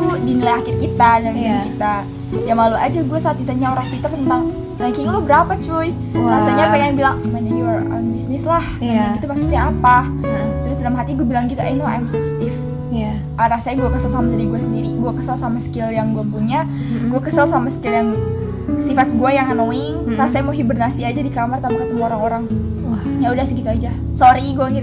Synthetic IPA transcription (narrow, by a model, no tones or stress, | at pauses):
lodinilajakɪrkit̪adaŋankit̪a | jaŋlalua̰d͡ʒaɡuasaːt̪̚kit̪aɲaɾasakit̪at̪ənt̪aŋ | daŋkiŋlobəɾapat͡ʃʊj | ɾasaɲapajaaŋbilaŋmənajrɔ̰nbisnɪslahaakit̪umasut̪ɲaapa | t̪əɾʊsdalamɦat̪iɲɡuabilaŋkit̪aʔanoa̰jmsst̪ɪf | ʔaɾasaɲaɡuakəsalsamasaɾiɡuasəndiɾiɡuakəsalsamasə̥kɪljaŋɡuabunɲa | ɡuakəsalsamasə̥kɪljaŋ | sifat̪̚ɡuajaŋanoiŋrasaɲamoɦibərnasiad͡ʒadikamərt̪ampakət̪əmuoɾaŋoɾaŋ | ɲaudahsəkit̪uad͡ʒa | soɾiɡuakir